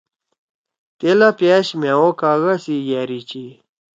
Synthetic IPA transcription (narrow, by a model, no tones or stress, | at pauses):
t̪elapeɕmewokaɣasijɛɾit͡ɕi